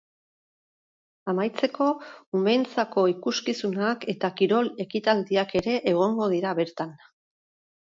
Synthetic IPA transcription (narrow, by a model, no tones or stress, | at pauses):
amajt͡se̞ko̞umejnt͡sako̞ikuskisunake̞t̪akiɾo̞le̞kit̪ald̪iake̞ɾe̞ʔːɣ̞o̞ŋɡo̞ð̞iɾaβe̞ɾt̪an